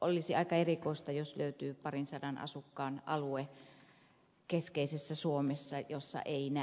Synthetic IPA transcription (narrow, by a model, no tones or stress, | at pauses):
ʔolːˑisiɑikɑerikoˑist̪ɑjosløyt̪yːpɑrinsɑdɑnʔɑ̰sukːɑːnʔɑlue | keskeisesːæsuomesːɑjosːɑ̰ʔeinæ